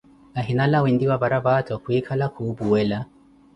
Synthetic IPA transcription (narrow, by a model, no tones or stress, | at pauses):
naɦinalawindiwaβaɾabatʰɔkwikʰalakʰubuwɛla